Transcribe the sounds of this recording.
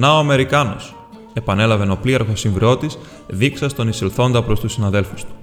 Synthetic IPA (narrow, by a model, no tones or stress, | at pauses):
nɐoɐme̞ɾikɐno̞̰s | e̞pɐne̞lɐve̞no̞plieɾɣo̞siɱvɾeo̞t̪is | ðiksɐst̪o̞niselθo̞nd̪ɐpɾo̞st̪usinɐðe̞lfust̪u̥